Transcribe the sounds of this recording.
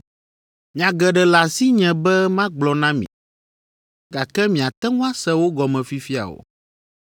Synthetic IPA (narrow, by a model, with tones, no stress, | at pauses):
mĩ˨ã˨ɡɛ˨ɖɛ˨la˨si˦ɲɛ̃˨bɛ˦mã˦ɡ͡blɔ˨nã˦mḭ̃˨ | ɡa˨kɛ˦mĩ˨a˨t̪ɛ˦ŋũ˦a˦sɛ˦wo˦ɡɔ˨mɛ̃˨fi˦fi˦a̰˨wo̰˨